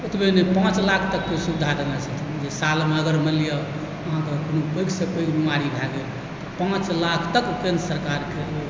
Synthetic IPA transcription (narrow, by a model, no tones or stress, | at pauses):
ut̪benepãt͡ʃlakʰt̪əkːesubd̪ʱad̪enat͡ʃʰəkt̪ʰid͡ʒesalmeəɡəɾməlijə | əɦãkekonobəjɡsepəiɡɦumaɾibʱaɡe | t̪ɔpãt͡ʃlakʰt̪əkkensəɾkaɾkeo